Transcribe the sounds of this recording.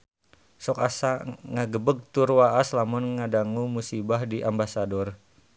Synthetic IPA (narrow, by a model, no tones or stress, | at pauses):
sɔkasaŋaɡəbəɡ̚t̪urwaʔaslamunŋadaŋumusibahdiʔambasadɔr